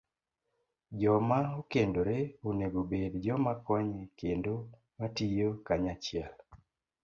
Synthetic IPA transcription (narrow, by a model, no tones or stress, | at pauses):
d͡ʒɔmaokendoɾeoneɡobedd͡ʒɔmakɔɲekendo | matijokaɲat͡ʃiɛl